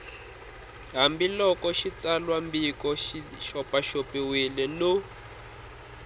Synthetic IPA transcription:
ɦambilɔkɔʃit͡salwambikɔʃiʃɔpaʃopiwilɛnu

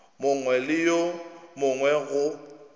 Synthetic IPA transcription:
mʊŋwɛlɪjomʊŋwɛɣʊ

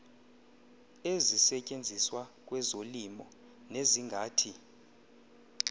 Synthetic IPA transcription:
ezisɛcʼend͡zʱiswakʼwɛzolimɔ | neziŋɡʱaːtʰi

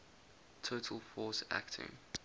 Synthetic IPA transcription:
tʰoːtʰəlˠfɔːˑsæ̰ktʰɪ̰̃ŋ

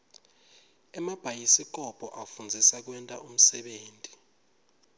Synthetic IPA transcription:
ɛmab̥ʱajisik̬ʼɔpʰʼɔʔafund͡zʱisak̬wɛntʼa̰ʔum̩sɛɓeːntʼi̥

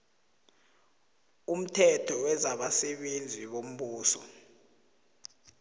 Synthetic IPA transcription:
um̩tʰɛtʰɔwɛzaɓasɛɓend͡zʱiɓom̩ɓuːsɔ̰

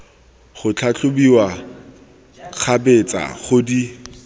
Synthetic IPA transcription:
χʊt͡ɬʰat͡ɬʰʊbiwa | k͡xʰabet͡sa̰χʊdi

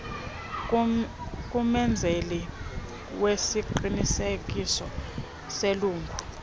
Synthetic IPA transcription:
k̬ʼumɛnd͡zʱeli | wesiǃinisek̬ʼisɔ | seluːŋɡʱu

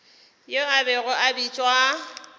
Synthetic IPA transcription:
joabɪɣʊʔabit͡ʃʼwa

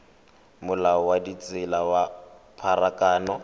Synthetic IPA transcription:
mʊlaɔwadit͡sʼɪlawapʰaɾakʼaːnɔ

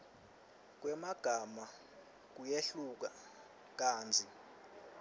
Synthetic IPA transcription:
k̬wɛmaɡ̥ʱama | k̬ujeɬuk̬a | k̬ʼaːnd͡zʱi

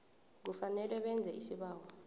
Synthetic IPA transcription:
k̬ufanɛlɛɓɛnd͡zʱɛisiɓaːwa

